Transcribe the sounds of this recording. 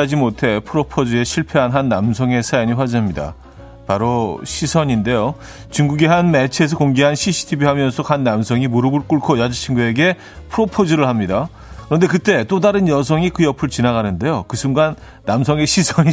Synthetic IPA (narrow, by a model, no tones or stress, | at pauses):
ad͡ʑimotʰe̞pʰɯɾopʰod͡ʑie̞ɕʰiɭpʰeɦanɦanːamsʰʌŋe̞sʰajʌɲiɸwad͡ʑaamɲida̰ | paɾoɕʰisʰʌɲinde̞jo | t͡ɕuŋɡuɡiɦanmet͡ɕʰe̞s̬ʰʌkoŋɡeɦanɕʰiɕʰi̥tʰibiɦamjʌnsʰʌkanːamsʰʌŋimoɾɯɡuɭk͈uɭkʰojad͡ʑit͡ɕʰinɡue̞ɡe̞ | pʰɯɾopʰod͡ʑiɾɯɭhamɲida | kɯɾʌnde̞kɯt͈e̞t͈odaɾɯnjʌs̬ʰʌŋikɯjʌpʰɯɭt͡ɕinaɡanɯnde̞jokɯsʰuŋɡanː | amsʰʌŋe̞ɕʰisʰʌɲi